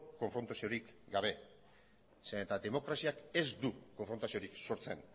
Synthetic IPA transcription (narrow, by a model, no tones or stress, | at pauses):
ko̞ɱfɾo̞nt̪asio̞ɾikɡaβ̞e̞ | senet̪ad̪e̞mo̞kɾasiake̞zd̪uko̞ɱfɾo̞nt̪asio̞ɾikso̞ɾt͡se̞n